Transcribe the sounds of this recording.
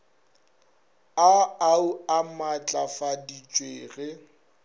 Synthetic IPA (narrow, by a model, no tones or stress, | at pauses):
aauamat͡ɬʼafadit͡ʃʼweːɣɪ